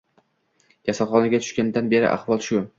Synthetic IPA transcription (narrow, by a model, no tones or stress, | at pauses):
d͡ʒasaχɒnaɡʲat̪ʰʊ̥ʃkʲanɪd̪anbe̞ɾɪ̰ʔa̰χvɒlˠʃʊ